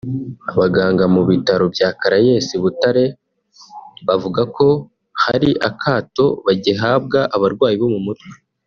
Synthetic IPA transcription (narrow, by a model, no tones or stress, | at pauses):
aβaɡaːŋɡamuβitaɾo̞bjaːkaɾaje̞siβutaɾe̞ | βavuɡako̞ | haɾiʔakʰaːto̞βaɟeɦaːb̚ɡaʔaβaɾɡwaːjiβo̞mumutwe̥